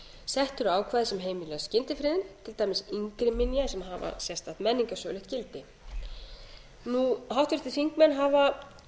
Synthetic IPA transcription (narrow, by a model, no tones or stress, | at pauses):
sɛht̪ʏɾaːwkʰvaːðɪsɛmɦeːjmilɛɣascɪnt̪ɪfɾɪːðɪnt̪ʰɪlt̪ajmɪsiŋkɾɪmɪnjasɛmɦava̰sjɛst̪aht̪mɛnːiŋkasœːɣlɪht̪cɪlt̪ɪ | nuɦawht̪vɪɾ̥t̪ɪθiŋkmɛnɦava